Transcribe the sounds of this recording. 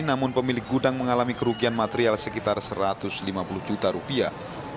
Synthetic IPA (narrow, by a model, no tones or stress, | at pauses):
namʊnpəmilɪk̚ɡudaŋməŋalamikəɾuɡianmat̪eɾialsəkit̪arsəɾat̪ʊslimapulʊhd͡ʒut̪aɾupia̰